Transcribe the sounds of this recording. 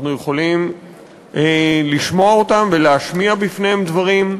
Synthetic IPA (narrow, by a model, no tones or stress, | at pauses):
nujeχo̞lim | liʃmo̞aot̪amve̞leaʃmiabifne̞hemd̪vaʁim